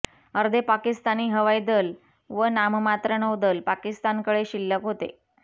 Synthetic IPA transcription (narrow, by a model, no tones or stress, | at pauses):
əɾd̪ʱepakist̪aniːɦəʋajd̪əl | ʋənammat̪ɾəɳəʋd̪əlpakist̪ankəɽeɕilːəkɦot̪ḛ